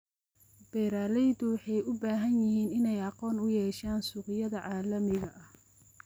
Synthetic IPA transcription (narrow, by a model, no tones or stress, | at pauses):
b̥ɛːɾaːlɛjd̪ʊwɑħɑjʊbaːɦɐnjɪɦiːnɪnɛjɑqɔːnʊjɛːʃaːnsʊqɪjɐðɐʕɑːlɐmɪɣɐʔɐh